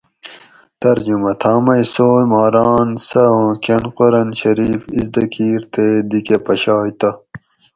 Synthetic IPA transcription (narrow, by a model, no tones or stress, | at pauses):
t̪ɐɾd͡ʑumɐt̪ʰaːmɐjsoːjmaːɾaːnsɐõːkɐnqoɾɐnɕɐɾiːfizd̪ɐkʰiːɾt̪ed̪ikepɐɕaːjt̪ɐ